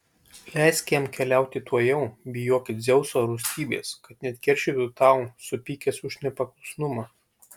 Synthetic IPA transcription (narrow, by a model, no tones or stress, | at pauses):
lʲɛˑɪskʲjɛmkʲɛlʲɛˑʊt̪ʲɪt̪uɔjɛʊbʲɪjoːkʲɪt̪zʲɛʊsoːɾʊsʲt̪ʲiːbʲḛːskɐt̪nʲɛt̪ʲkʲɛɾʲʃʲit̪ʲut̪ɑˑʊsʊpʲiːkʲɛsʊʃʲnʲɛpɐkˠʊsnʊmɑ